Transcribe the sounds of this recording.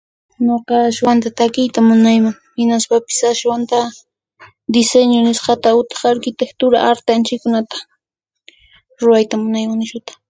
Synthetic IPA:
noqɑːʃwant̪at̪akɪjt̪amʊnajmaŋ | hɪnaspapɪ̥saswant̪a | d̪ɪseɲonɪsqɑt̪aʊt̪ɪ̥χaɾkɪt̪ekt̪ʊɾa̰ʔaɾt̪ɪant͡ʃɪkʊnat̪ḁ | ɾʊɾajt̪amʊnajmaŋnɪʃʊt̪ḁ

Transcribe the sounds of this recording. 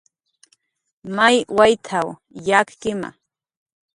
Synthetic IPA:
majwajt̪ʰaw | jakkɪma̰

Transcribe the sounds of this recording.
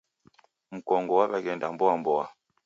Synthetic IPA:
m̩kɔŋɡɔwaβaɡɛndambɔambɔwa

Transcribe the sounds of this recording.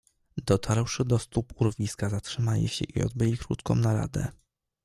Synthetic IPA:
d̪ɔt̪ʰaɾwʂɘd̪ɔst̪upuɾvʲiskazatʂɘmalḭɕɛʔiɔ̰d̪bɘlʲikɾut̪kʰɔ̰̃mnaɾa̰d̪ɛ̰

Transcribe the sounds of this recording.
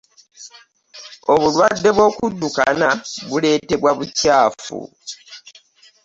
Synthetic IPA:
o̞βulwadːe̞βwo̞ːkudːuka̰naβule̞ːte̞βwaβucaːfṵ

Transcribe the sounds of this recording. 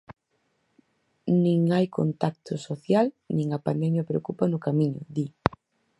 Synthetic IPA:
nĩŋajko̰nt̪ak̚t̪ʊsoθjal | nĩŋɐpand̪ɛmjɐpɾeokupanʊkamĩɲʊ̰d̪i

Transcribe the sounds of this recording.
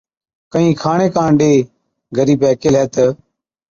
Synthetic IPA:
kəɦĩːkʰaːɳeːkãːɳɖeː | ɡʱəɾiːbɛːkelɦɛːt̪ə

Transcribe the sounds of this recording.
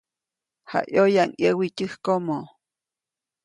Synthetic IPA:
ha̰ʔjojaʔŋjəwicɨhkomo

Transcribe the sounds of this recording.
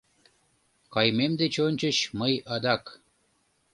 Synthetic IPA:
kɑjmemd̪et͡ɕonʲt͡ɕəɕməjɑd̪ɑk

